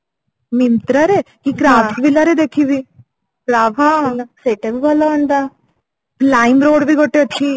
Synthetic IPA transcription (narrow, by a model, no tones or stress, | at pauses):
mɪnt̪ɾaɾekikɾaːbbilaɾed̪eːkʰibʱi | kɾaːbʱãlseːʈebʱibɔlaənd̪aː | plaːimɾoːɽbʱiɡoʈːeəʈʰːiː